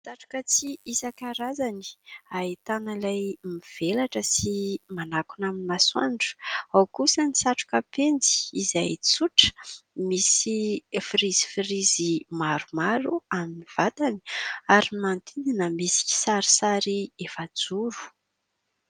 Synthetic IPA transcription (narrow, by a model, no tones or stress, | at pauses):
saʈ͡ʂu̥kət͡siisakaɾazani̥ait̪analajmiv̥elaʈ͡ʂəsimanakunaminimaswa̰nɖ͡ʐu̥awkusənisaʈ͡ʂu̥kəpend͡zi̥ːzajt͡suʈ͡ʂə̥misifiɾiz̥i̥fiɾizimaɾumaɾuaminiv̥at̪ani̥aɾimant̪ind̪inəmisi̥ki̥saɾi̥saɾiefad͡zuɾu̥